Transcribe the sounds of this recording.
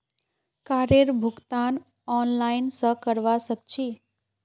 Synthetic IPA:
kaɾeɾbʱʊɡt̪an | ɔnlainsəkəɾʋasək̚t͡ʃʰi

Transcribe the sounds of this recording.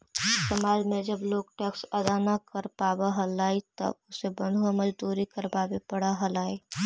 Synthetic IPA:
ɪt̪əmaːlmẽd͡ʒəbloːɡʈɛːksəd̪anakəɾpaːbaɦəlaːit̪ə̰bʊsebə̃nd̪ʱwaməd͡ʒd̪uːɾikəɾpaːbepəɽaɦəlaːi

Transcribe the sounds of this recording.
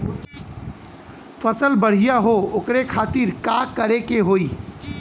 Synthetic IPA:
pʰəsəlbəɽ̤ijaɦookɾekʰat̪iɾkakəɾekeɦoi

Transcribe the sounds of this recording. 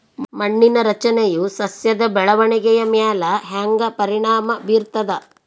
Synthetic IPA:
mɐɳːinɐɾɐt͡ʃɐnejusɐsjɐd̪ɐbɛɭɐʋɐɳiɡɛjɐmjaːlɐɦaːŋɡɐpɐɾiɳaːmɐbʱiːɾt̪ɐd̪ɐ

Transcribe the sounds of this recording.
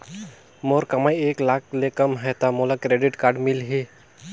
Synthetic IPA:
moːɾkɐmaːjeːklaːk̚lekɐmɦɛt̪amolakɾeːɖɪʈkaːɾɖmɪlɦi

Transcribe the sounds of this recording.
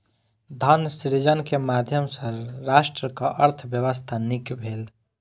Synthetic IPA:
d̪ʱansiɾd͡ʒənkemaːd̪ʱjəmsəɾɾaːʃʈɾəkaʔəɾt̪ʰbjəwəst̪ʰanikbʱeːl

